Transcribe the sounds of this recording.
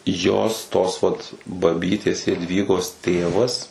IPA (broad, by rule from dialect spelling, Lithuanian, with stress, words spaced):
ˈjoːs toːs ʋɐt bɐˈbʲiːtʲeːs jɛdʲˈʋʲiːɡoːs ˈtʲeːʋɐs